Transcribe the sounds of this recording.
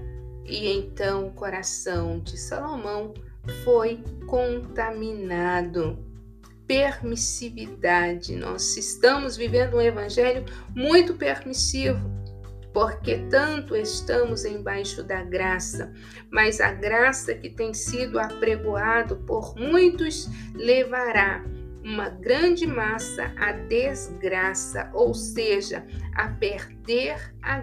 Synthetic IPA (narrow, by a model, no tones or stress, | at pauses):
ɪẽnt̪ɐ̃w̃ʊkoɾasɐ̃w̃d͡ʒɪsalomɐ̃w̃ | fojkõnt̪aminad̪ʊ | peɾmisivid̪ad͡ʒɪ̰nʔɔ̰zɪst̪ɐ̃mʊzvivẽnd̪ʊũevɐ̃ʒɛljʊmũj̃t̪ʊpeɾmisivʊ | poɾket̪ɐ̃nt̪ʊest̪ɐ̃mʊzẽj̃bajʃʊd̪ɐɡɾasɐ̰ | mɐzɐ̰ɡɾasɐkɪt̪ẽj̃sid̪ʊapɾeɡoad̪ʊpoɾmũj̃t̪ʊs | levaɾa | ũmɐɡɾɐ̃d͡ʒɪmasɐ̰ʔɐd̪ezɡɾasɐ̰ʔowseʒɐ̰ɐ̰peɾd̪eɾ | a